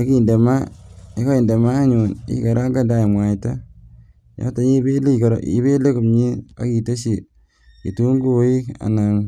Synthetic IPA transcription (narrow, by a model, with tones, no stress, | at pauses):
a˨˦ki˨nde˨ma˦e˦ka˦i˨nde˨maː˦ɲu˨nḭ˦ka˨ɾa˦ŋɡa˦nda˦i˨mwa˨ta˦ | jɔ̰˦ta˨ɲi˦be˦le˦˨kɾ̰ḭ˦be˦le˦ku˨mɲi˦a̰˨˦ki˨to˦ʃi˨ | i˨tu˦ŋɡu˦i˦ka̰˨na˨ŋ